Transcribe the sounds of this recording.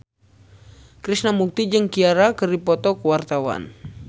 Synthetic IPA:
kɾisnamuk̚t̪id͡ʒɨŋkiaɾakəripɔt̪ɔkəwart̪awa̰n

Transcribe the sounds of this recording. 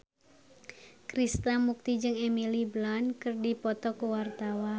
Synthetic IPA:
kɾist̪amuk̚t̪id͡ʒɨŋɛmiliblɔnkɨrdipɔt̪ɔkuwart̪awa

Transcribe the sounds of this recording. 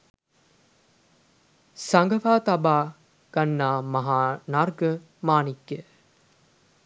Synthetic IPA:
saŋɡɐfaːt̪ɐbaː | ɡ̥ɐnːaːmɐɦaːnarɡə | maːniɡːe

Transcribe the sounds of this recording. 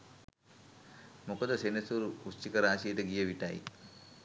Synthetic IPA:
mukod̪əsenesuɾuust͡ʃikəɾaːsijeʈəɡijəʋiʈa̰j̰

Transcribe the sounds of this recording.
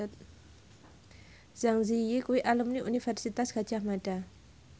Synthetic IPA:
z̥aŋzijikuwiʔalumniʔunifɛrsit̪asɡ̥ad͡ʒahmada

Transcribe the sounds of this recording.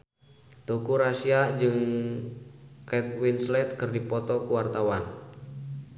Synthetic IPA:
t̪okuɾasiad͡ʒɨŋ | kɛt̪̚winslɛt̪̚kɨrdipɔt̪ɔkuwart̪awan

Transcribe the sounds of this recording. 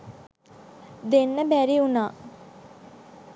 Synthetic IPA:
d̪enːəbæɾiunaː

